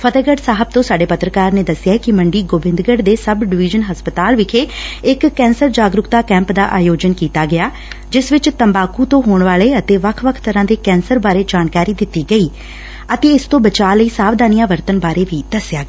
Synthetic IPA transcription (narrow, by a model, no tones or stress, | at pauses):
pʰət̪əɡəɖsaːɦəb̚t̪õːsaːɖeːpət̪ɾəkaːɾneːd̪əsɪjaːkɪməɳɖiːɡoːbɪ̃nd̪ɡəɖd̪eːsəbɖɪʋɪːd͡ʒənɦəspət̪aːlʋɪkʰeːɪkːɛ̃ːnsəɾd͡ʒaːɡɾʊkt̪aːkɛ̃ːmpd̪aːʔaːjoːd͡ʒənkiːt̪aːɡɪjaː | d͡ʒɪsʋɪt͡ʃt̪əmbaːkuːt̪õːɦoːɳʋaːleːət̪eːʋəkʰʋəkʰt̪əɾãːd̪eːkɛ̃ːnsəɾbaːɾeːd͡ʒaːnkaːɾiːd̪ɪt̪ːiːɡəiː | ət̪eːɪst̪õːbət͡ʃaːləiːsaːʋd̪aːnijãːʋəɾt̪ənbaːɾeːʋiːd̪̥əsɪjaːɡ